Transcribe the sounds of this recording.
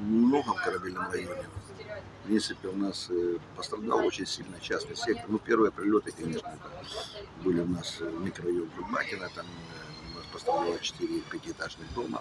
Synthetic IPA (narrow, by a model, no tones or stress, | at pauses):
nmno̞ɣəmkəɾɐbʲelʲnɨmrɐjonʲɪ | fpɾʲint̪sɨpʲɪʊnaspəst̪ɾɐd̪a̰lˠot͡ɕɪnʲsʲilʲnəjət͡ɕasnɨjəsʲek̚t̪nupʲe̞rvɨjəpɾʲɪlʲo̞t̪ɨkɐnʲe̞ʂnəɛt̪ə | bɨlʲɪʊnasmʲɪkɾɐjoɡɡʊlʲma̰kʲɪnət̪amʊnaspəst̪ɾɐd̪alˠət͡ɕɪ̥t̪ɨɾʲɪpʲætʲɪt̪aʐnɨxd̪o̞mə̰